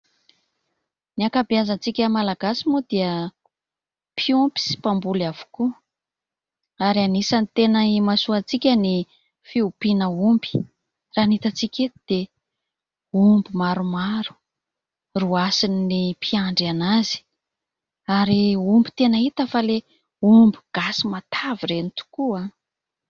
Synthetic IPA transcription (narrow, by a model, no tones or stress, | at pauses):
niakabiazant͡sikʲəmalaɡasimud̪̥iə | pʰiumpi̥si̥pambulav̥u̥ku | aɾianisanit̪enəimasuat͡sikʲəni | fiupinəumbi̥ | ranit̪at͡sikʲet̪d̪̥e | umbimaɾumaɾu̥ | ruasininipʰiaɳɖ͡ʐanazi̥ | aɾiumbit̪enait̪əfale | umbi̥ɡ̥asimat̪ʰaviɾenit̪u̥kua